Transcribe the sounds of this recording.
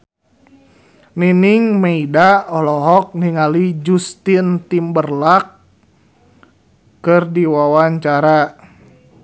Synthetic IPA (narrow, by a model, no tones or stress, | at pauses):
niniŋmeidaɔlɔɦɔk̚niŋalid͡ʒust̪int̪imbərlak | ɨrdiwawaɲt͡ʃaɾa